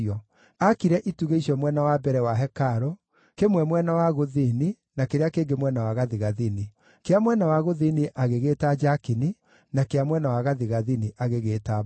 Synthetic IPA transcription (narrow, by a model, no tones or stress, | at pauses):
ɔ | akiɾɛʔituɣeiʃɔmwɛnawabɛɾɛwaɦɛkaɾɔ | kemwɛmwɛnawaɣoðini | nakeɾeakeːɡemwɛnawaɣaðiɣaðini | keamwɛnawaɣoðiniʔaɣeɣeːtad͡ʒakini | nakeamwɛnawaɣaðiɣaðiniʔaɣeɣeːta